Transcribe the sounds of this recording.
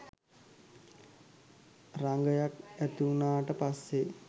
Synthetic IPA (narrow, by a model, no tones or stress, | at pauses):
raŋɡəjakæt̪uunaːʈəpasːe